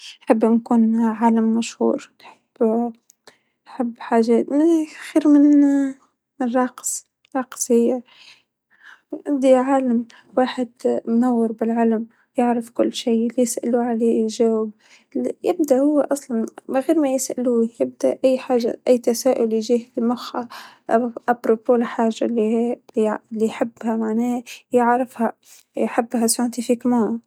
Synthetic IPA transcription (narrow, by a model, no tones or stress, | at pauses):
ħɪbːnkuːnʕaːlamːaʃhṵːɾnħɪb̥ː | ħɪbːħaːʒaxiːɾmɪn | rˤɑqs | ɾˤɑːqshɪjːa | ʔad̪iʕaːlam | waːħɪd̪mnawːɪɾbɪlʕalam | jɪʕɾafkʊlːʃiːlijɪsʔa̰luʕaleːʒawab | jɪb̚d̪aʔhʊwːeʔɑsˤlɑnmaɣeːɾmajɪsʔa̰luːjɪb̚d̪aʔʔajːħaːʒːa̰ʔajːt̪asaːʔʊljʒiːhfimʊxa | ʔabɾopoːlħaːʒːali | lːijħɪbːhamaʕneːjɪʕɾɪfha | jħɪbːhasaʕɪnt̪ifikmaː